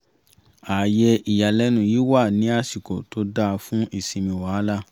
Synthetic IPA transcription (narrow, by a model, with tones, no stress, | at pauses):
a˨jɛ˧i˨ja˨lɛ˦nũ˦˨ji˨˦wa˦˨nĩ˨˦a˦˨si˨ko˨to˧˦da˦˧fũ˦i˦˨sĩ˧mĩ˧˨wa˨˦la˦˨